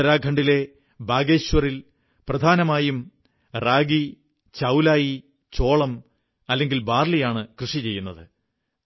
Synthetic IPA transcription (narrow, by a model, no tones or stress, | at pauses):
ɐɾaːɡʱɐɳɖile̞ | baːɡe̞ːɕʋɐril | prɐd̪ʱaːnɐmaːjum | raːɡi | t͡ɕɐwlaːji | t͡ɕo̞ːɭɐm | ɐlːeŋɡilbaːrlijaːɳɨkrɨʂit͡ɕe̞jːunːɐðɨ